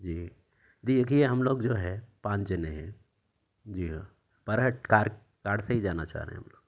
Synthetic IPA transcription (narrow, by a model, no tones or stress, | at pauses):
d͡ʒiː | d̪iekieɦɐmloːɡd͡ʒoːɦɛpãːɲt͡ʃeneɦɛ̃ | d͡ʒiːɦa | pɐɾɦəʈkaːɾ | kaːɽseɦid͡ʒaːna̰t͡ʃa̰ːɦɾḛɦḛ̃ɦɐ̰mloːɡ